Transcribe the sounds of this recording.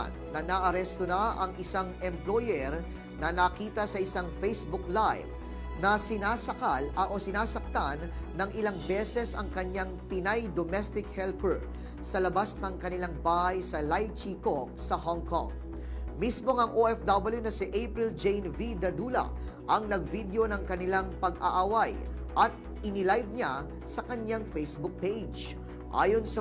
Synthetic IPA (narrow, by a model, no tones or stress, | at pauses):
nːɐnɐʔɐɾɛst̪onɐʔɐŋʔɪsaŋɛmplojɛɾ | nɐnɐkiːt̪ɐsɐʔɪsaŋfejsbʊklajv | nɐsɪnaːsɐkalʔosɪnaːsɐk̚t̪anːɐŋʔɪlaŋbɛsɛsɐŋkɐɲaŋpɪnajd̪omɛst̪ɪk̚hɛlpɛɹ | sɐlɐbasnɐŋkɐnɪlaŋbaːhajsɐlajt͡ʃiko̞k̚sɐhoŋko̰ŋ | mismo̞ŋɐŋʔoʔɛfd̪abɐljunɐsɪʔejpɾɪld͡ʒejnvid̪ɐd̪uːlɐ̰ʔɐŋnɐɡ̚vid̪jo̞nɐŋkɐnɪlaŋpɐɡʔa̰ʔawaj | ʔɐt̪̚ | ʔɪnɪlajb̚ɲa | sɐkɐɲaŋfejsbʊk̚pejd͡ʒ | ʔa̰ːjo̞nsɐ